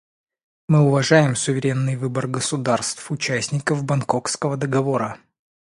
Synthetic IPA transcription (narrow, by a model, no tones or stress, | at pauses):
mɨʊvɐʐajɪmsʊvʲɪɾʲe̞nːɨjvɨbərɡəsʊd̪arst̪fʊt͡ɕæsʲnʲɪkəvbɐnkokskəvəd̪əɡɐvoɾə